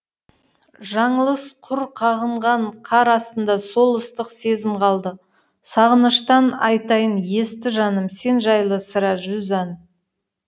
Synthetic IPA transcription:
ʒɑɴəlˠəsqʰʊɾqʰɑʁəɴʁɑɴqʰɑɾɑst̪ənd̪ɑso̞lˠəst̪əqse̞zɪmqʰɑlˠd̪ə | sɑʁənəʃt̪ɑnɑ̰jt̪ɑjənje̞st̪ɪʒɑnəmse̞nʒɑjlˠəsəɾɑʒʏzɑn

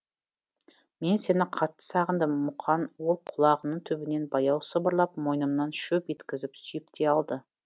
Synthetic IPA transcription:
me̞nse̞nɪqʰɑt̪ːə̥sɑʁənd̪əmːʊqʰɑnwolˠqʰʊlˠɑʁənːəɴt̪ʰɵbɪne̞nbɑjɑwsəbəɾlˠɑpmo̞jnəmnɑnʃɵpe̞t̪kʲɪzɪpsʏjɪp̚t̪ʰeɑlˠd̪ə

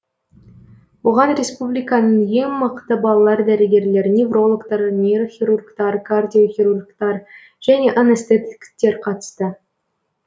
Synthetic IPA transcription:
uʁɑnrʲespublʲikɑnəɴjeŋmɤ̆qt̪əbɑlˠɑlˠɑɾrd̪æɾɘ̆ɡʲerlʲeɾnʲevrolˠokt̪ɑɾnʲeroxʲirurkt̪ɑrɡardʲijoxʲirurkt̪ɑr | ʒ̥ænʲeʔonĕsʲt̪et̪ʲɪ̥kʲt̪ʲːeɾqɑt̪ə̥st̪ə

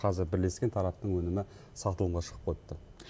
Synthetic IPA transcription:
qʰɑzɪɾbɪɾle̞skʲe̞t̪ʰɑɾɑp̚t̪əɴwɵnɪmɪ | sɑt̪əlˠəmʁɑʃə̥qəp̚qʰot̪ːə

